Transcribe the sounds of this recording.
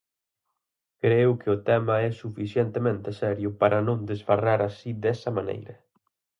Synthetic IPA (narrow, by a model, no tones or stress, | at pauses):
kɾewkɪʊt̪ɛmɐɛsufisjɛnt̪emẽnt̪esɛɾjʊpaɾʔɐnõŋd̪ɪsfaraɾasid̪ɛsɐmanḛjɾɐ